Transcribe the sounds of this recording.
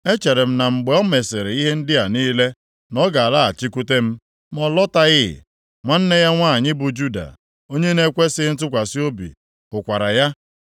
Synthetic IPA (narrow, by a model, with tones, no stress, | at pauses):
e˦t͡ʃe˨ɾe˨m̩˦na˨ŋ͡m̩˨ɡ͡be˨ɔ˦me˨se˨ɾe˨i˦ɦe˦n̩˦dɪ˦a˨niː˦le˦ | nɔ˦ɡa˨a˨la˦a̰˨t͡ʃi˦kʷu˦te˦m̩˦ | m˦ɔ˨lɔ˦ta˦ɣɪ˦˨ | ŋʷa˦n̩˦ne˦ja˦ŋʷa˦a˨ɲɪ˦bʊ˨d͡ʒu˦da̰˨ | o˦ɲe˦ne˦kʷe˦sɪ˦n̩˦tʊ˦kʷa˨si˦o˦bḭ˨ | ʊ˨kʷa˨ɾa˨ja˦